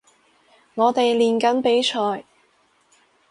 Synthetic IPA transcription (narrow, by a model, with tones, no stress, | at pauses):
ŋɔː˨˧t̪e˨jliː˨nkɐ˨˥npe˨˥jt͡ʃʰɔː˨j